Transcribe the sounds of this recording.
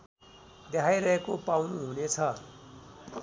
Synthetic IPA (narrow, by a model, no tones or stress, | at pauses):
d̪aaiɾʌɦekopawnuɦunet͡sʰʌ